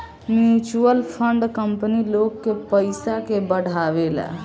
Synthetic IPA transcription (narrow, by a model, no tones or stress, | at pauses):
mjut͡ʃuəlpʰəɳɖkəmpənilokːepəjsakebəɽ̤ʱaβel̰